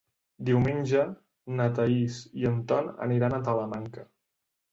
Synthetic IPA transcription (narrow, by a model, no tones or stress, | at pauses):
d̪iwmenʲd͡ʒə | nət̪əisiənt̪ɔnə̰niɾanət̪ələmaŋkə